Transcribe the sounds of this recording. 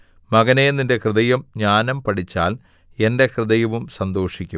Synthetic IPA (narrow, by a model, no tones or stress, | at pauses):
mɐɣɐnenːinde̞krɨðɐjɐmɲaːnɐmpɐɽit͡ɕːa̰ːl | e̞nde̞krɨðɐjɐʋumsɐnd̪o̞ːʂikʲːum